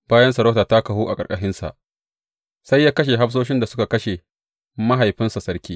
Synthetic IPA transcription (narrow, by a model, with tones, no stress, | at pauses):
b̥aː˦jɐ˦nsɐ˨ɾɐ˦taː˨ta˦kɐ˨ɦuː˦ʔa˨kʼɐ˨kʼɐ˨ʃɪ˦nsa̰˨ʔ | sa˦jːaː˦kɐ˦ʃ̬e˨ɦa˦ɸs̬oː˦ʃɪ˦nda˨sʊ˦ka˨kɐ˦ʃe˨ | mɐ˦ɦa˨jɸɪ˦nsa˨sɐ˦ɽkʲiː˦